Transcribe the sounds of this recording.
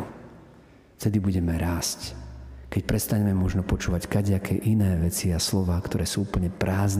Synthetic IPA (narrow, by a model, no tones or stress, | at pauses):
ft̪ɛd̪ibuɟɛmɛɾaːsckɛcpɾɛst̪aɲɛmɛmɔʒnɔpɔt͡ʃuːʋackaɟɛakʰɛːʔinɛːʋɛt͡siaslɔʋaːkt̪ɔɾɛːsuːupəl̩ɲɛpɾaːzn